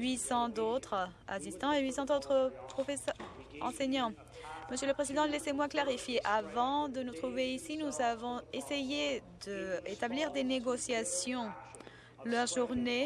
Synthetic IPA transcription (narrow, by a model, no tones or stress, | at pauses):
ɥisɑ̃d̪ot̪χa̰sist̪ɑ̃eɥisɑ̃t̪ot̪χəpχɔfesʁɑ̰̃seɲɑ̃ | məsjøləpχezid̪ɑ̃lesemwaklaʁifjeʔavɑ̃d̪ənut̪χuveisinuzavɔ̃esejed̪əet̪abliʁd̪eneɡɔsjasjɔ̃ | lœʁʒuʁne